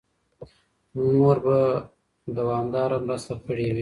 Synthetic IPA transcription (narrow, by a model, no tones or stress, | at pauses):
noɾba | d̪awɑːmd̪ɑːɾamɾast̪apʰəɽewi